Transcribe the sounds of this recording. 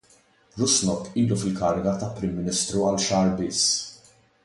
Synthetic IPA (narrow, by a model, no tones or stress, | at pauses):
ɾʊsnɔkːiːlufɪlkɐɾɪɡɐt̪ɐpːɾɪmːɪnɪst̪ɾuɐlʃɐːɾbɪsː